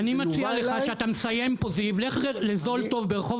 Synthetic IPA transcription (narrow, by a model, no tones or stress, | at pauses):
animat͡sialeχaʃeat̪amesaje̞mpozivleχʁelezo̞lto̞vbeʁeχo̞v